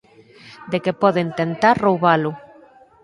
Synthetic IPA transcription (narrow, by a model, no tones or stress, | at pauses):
d̪ekepoðent̪ent̪aɾrowβalu